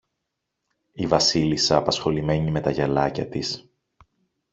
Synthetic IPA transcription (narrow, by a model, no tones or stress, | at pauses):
ivɐsilisɐːpɐsxo̞lime̞ɲime̞t̪ɐʝɐlɐcɐt̪is